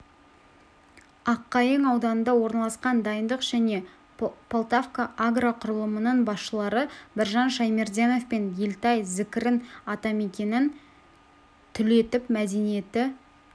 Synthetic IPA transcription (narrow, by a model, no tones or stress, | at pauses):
ɑqːɑjəɴɑwd̪ɑnənd̪ɑwo̞ɾnɑlˠɑsqɑnd̪ɑjənd̪əqʒ̥æne̞ | pʰolˠt̪ofkaʔaɡraqʰʊɾəlˠəmənəɴbɑsʃəlˠɑɾəbɪɾʒɑnʃɑjme̞rd̪ʲeno̞fpenjelt̪ɑjzɪkʲɪɾɪnɑt̪ɑme̞kʲe̞nɪn | t̪ʰʏle̞t̪ɪpmæd̪e̞nije̞t̪ɪ